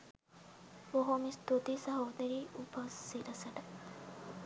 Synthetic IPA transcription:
oɦomist̪ut̪isɐɦoːd̪ɐɾiːʔupɐsːiɾɐsɐʈɐ

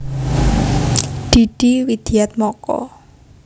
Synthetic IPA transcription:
ɖ̪̥i̤ɖ̪̥iwid̪̥i̤at̪̚mɔkɔ̰

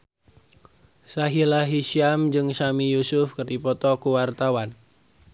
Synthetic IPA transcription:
saɦilaɦiʃiamd͡ʒɨŋsamijusʊfkərdipɔt̪ɔkuwart̪awan

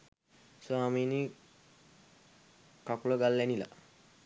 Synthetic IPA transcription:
swaːmiːni | kakuləɡalːænila̰

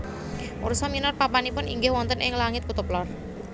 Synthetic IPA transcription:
ʔuɾusɔminɔrpapanipʊnḭŋɡɪhwɔnt̪ənʔɪ̰ŋlaŋɪt̪kut̪uplɔr

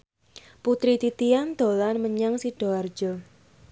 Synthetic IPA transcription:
put̪ɾit̪it̪iand̪̥o̤lanməɲaŋsiɖ̥o̤ard̥d͡ʒ̥ɔ

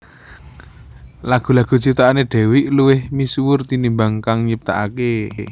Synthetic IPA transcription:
laɡ̥ṳlaɡ̥ṳt͡ʃip̚t̪aaneɖ̥ɛ̤wɪʔluwɪhmisuwʊrt̪inimbaŋkaŋɲəp̚t̪a̰ʔake

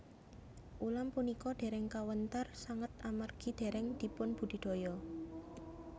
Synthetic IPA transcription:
ʔulampunikɔɖ̪̥e̤ɾɛŋkawənt̪ərsaŋət̪̚amarɡ̥i̤d̪̥e̤ɾɛŋd̪̥i̤pʊnb̥ṳɖ̥i̤ɖ̪̥o̤jɔ

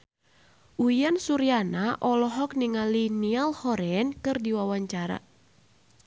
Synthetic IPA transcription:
ʔuijansuɾianaʔɔlɔɦɔk̚niŋalinialhɔɾɛnkɨrdiwawaɲt͡ʃaɾa̰

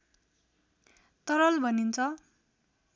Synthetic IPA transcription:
t̪ʌɾʌlbʱʌnint͡sʰʌ

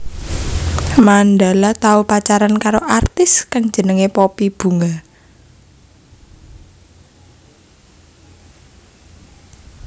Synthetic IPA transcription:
manɖalat̪aupat͡ʃaɾankaɾoʔart̪ɪskaŋ̥d͡ʒ̥ə̤nəŋepɔpib̥ṳŋa

